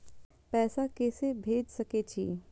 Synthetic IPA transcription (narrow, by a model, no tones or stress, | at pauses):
pɛːsakɛːsebʱeːd͡ʒsɐket͡ʃʰḭː